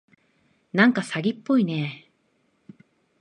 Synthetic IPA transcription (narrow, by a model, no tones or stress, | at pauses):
nãŋkasaɡʲipːo̞ineː